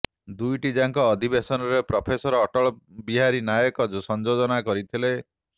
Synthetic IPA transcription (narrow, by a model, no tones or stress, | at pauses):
d̪ujʈid͡ʒaŋkɔːd̪ʱibesɔnɔɾepɾɔpʰesɔɾːʈɔɭɔbiɦaɾinajɔkɔd͡ʒusɔnd͡ʒod͡ʒɔnakɔɾit̪ʰile